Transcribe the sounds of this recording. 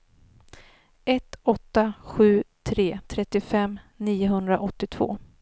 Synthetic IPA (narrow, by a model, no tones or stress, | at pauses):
ɛt̪ɔt̪ːaɧʉ̟ːt̪ʰɾeːt̪ʰɾɛt̪ːɪfɛmːniːʊɦɵnd̪ɾaʔɔt̪ːɪt̪ʰv̥o̰ː